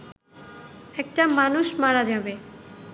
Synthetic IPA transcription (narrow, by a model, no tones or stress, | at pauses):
ɛk̚ʈamanuʃmaɾad͡ʑabe